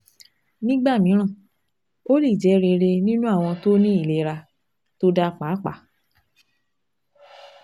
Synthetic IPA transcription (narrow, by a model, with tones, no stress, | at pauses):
nĩ˦ɡ͡ba˦˨mĩ˨˦ɾ̃ã˦˨ | o˦li˦˨d͡ʒɛ˨˦ɾe˧ɾe˧nĩ˦nũ˦a˦˨w̃ɔ̃˧to˦nĩ˦i˦˨le˧˦ɾa˧ | to˦da˦k͡pa˨˦k͡pa̰˨˦